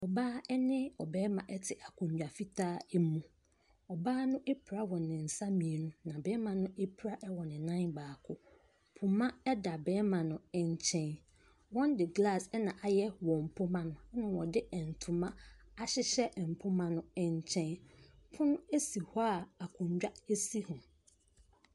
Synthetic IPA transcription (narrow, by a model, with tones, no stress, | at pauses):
ɔ˨baː˦ɛ˦nɪ̃˦ɔ˨bɛː˦mã˨ʔɛ˦tʰɪ˨ʔa˨kʰʊ̃˨ɲᶣ˨a˨fi˦tʰaː˦ɛ˦mũ˨ | ɔ˨baː˦nʊ̃˦ʔe˦pʰɾa˦wɔ̃˨nɪ̃˨n̩˨sa˦mĩ˨e˨nũ˦nã˨bɛː˦mã˨nʊ̃˦ʔe˦pʰɾa˦ʔɛ˦wɔ˨nɪ̃˨nã˦nbaː˨kʰʊ˦ | pʰʊ˨mã˦ɛ˦da˨bɛː˦mã˨nʊ̃˨ɛ˦ɲ˦t͡ɕʰɛ̃˦n | wɔ̃˦ndɪ˨ɡla˦˨sɛ˦nã˨ʔa˨jɛ˦wɔ̃˨m̩˨pʰʊ˦mã˦nʊ̃˦ɛ˦nʊ̃˨wɔ˨dɪ˦ʔɛ˨n̩˨tʰʊ˨mã˦a˦ɕɪ˦ɕɛ˦˨m̩˨pʰʊ˦mã˦nʊ̃˦ɛ˦ɲ˦t͡ɕʰɛ̃˦npʰʊ̃˦nʊ̃˦e˦si˨hɔ˦a˨a˨kʰʊ̃˨ɲ˨d͡ʑᶣa˦e˦si˦hʊ̃˨